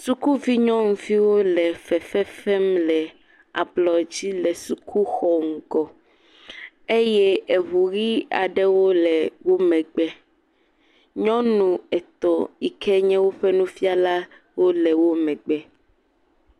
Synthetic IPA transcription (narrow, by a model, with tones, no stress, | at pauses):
su˦ku˦vi˦ɲɔ̃˦ŋũ˨vi˦wo˦lɛ˨fɛ˨fɛ˦fɛ˦mlɛ˨ | a̰˨blɔ˨d͡ʑi˦lɛ˨su˨kʰu˦xɔ˨ŋ̩˨kɔ˨ | e˦jɛ˦e˨βu˨ɣi˦a̰˨ɖɛ˦wo˦lɛ˨wo˦mɛ̃˨ɡ͡bɛ˦ | ɲɔ̃˦nũ˨ɛ˨t̪ɔ˨i˨kɛ˦ɲɛ̃˦wo˦ɸɛ˦nũ˦fi˦a˦la˦ | wo˦lɛ˨wo˦mɛ̃˨ɡ͡bɛ˦